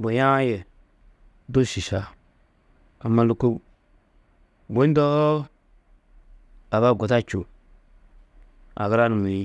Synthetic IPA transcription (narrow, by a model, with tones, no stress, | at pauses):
bo˨ja˦je˨ | do˦˨ʃi˨ʃa˨ | a˨ma˨lu˨ko˦ | bʷe˦n˦do˦ | a˨βa˦˨ɡo˨ta˦t͡ʃo˨ | a̰˨ɡə˦ɾa˦nu˨mi˨i˦